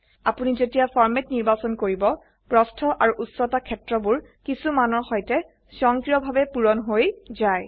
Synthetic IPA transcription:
apunizetijafʰɔɹmetniɹbasɔnkoɹibɔ | pɹɔstʰɔʔaɹuʔusɔtakʰɛtɹɔbʊɹkisumanɔɹxɔjtɛ | sɔŋkɹijɔbʱabɛpuɹɔnɦojzaj

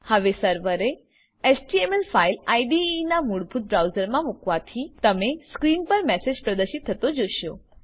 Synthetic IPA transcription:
həʋesəɾʋəɾe | esʈiemelfailaiɖiːnamuɽbʱut̪̚bɾawzəɾmãmukʋat̪ʰit̪əmeskɾinpəɾmɛsed͡ʒpɾəd̪əɾʃit̪ʰːət̪od͡ʒoʃjo

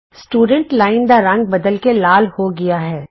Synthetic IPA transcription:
sʈuːɖə̃ɳʈlaːɪnd̪aɾɐ̃ŋɡ̚bɐd̪əlkelaːlhoɡɐjaɦɛː

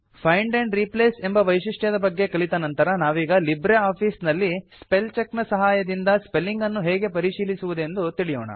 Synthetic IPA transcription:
pʰɐjɳɖeɳɖɾipleːse̞mbɐʋɐjʂiʂʈjɐd̪ɐbɐɡːe̞kɐɭit̪ɐnɐnt̪ɐɾɐnaːʋiːɡɐlibɾeaːpʰiːsnɐlːisspelt͡ʃɐknɐsɐɦaːjɐd̪ind̪ɐspe̞lːiŋɡɐnːuɦɛːɡe̞pɐɾiʂiːlisuʋud̪e̞nd̪ut̪iɭijɔːɳɐ̰

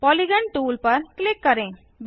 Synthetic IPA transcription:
pɔliɡəɳʈuːlpɐɾklɪkːəɾẽ | b

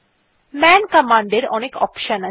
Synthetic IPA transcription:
mɛnkɐmãːɳɖeɾɔnekɔ̰pʃəna

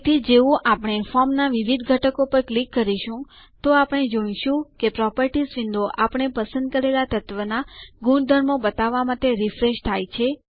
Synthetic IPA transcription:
t̪ʰid͡ʒeʋũʔapəɽ̃efɔɾmnaʋiʋid̪ʱɡʱəʈəkopəɾklikːəɾiʃũ | t̪oapɽ̃ed͡ʒəɳ̃iʃũkepɾɔpəɾʈisʋɪ̃nd̪oʔapɳ̃epəsənd̪̚kəɾelat̪ət̪ʋənaɡuɳd̪ʱəɾmõbət̪aʋːamat̪eɾifɾeʃt̪ʰajt͡ʃʰe

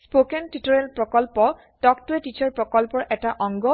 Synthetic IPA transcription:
spokɛntitɔɹɛlpɹɔkɔlpɔ | dɔktʊɛtit͡ʃɔɹpɹɔkɔlpɔɹʔɛtaʔɔŋɡɔ

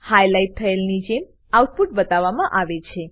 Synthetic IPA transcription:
hajlajt̚t̪ʰːəelnid͡ʒem | awʈ̪̚puʈbət̪aʋamãʔaʋet͡ʃʰe

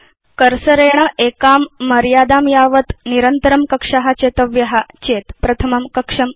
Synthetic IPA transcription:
kəɾsəɾeɳ̃əʔekamːəɾjad̪aːmjaʋət̪niɾənt̪əɾəmkəkʂaɦat͡ɕet̪əʋjɐɦat͡ɕet̪pɾɐt̪ʰəmɐmkəkʂɐm

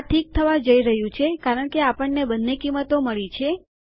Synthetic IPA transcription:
ʈʰik̚t̪ʰəʋad͡ʒəiɾəɦjũt͡ʃʰekaɾəɳkeapəɳːebənːekimːət̪oməɭit͡ʃʰe

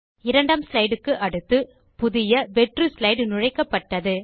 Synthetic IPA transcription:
ɪɾɐɳɖaːmslɐɪɽɯkːɯʔɐɽɯt̪ːɯ | pʊðɪjɐʋɛʈrɯslɐɪɽnʊɻɐɪkːɐpːɐʈːɐðɯ

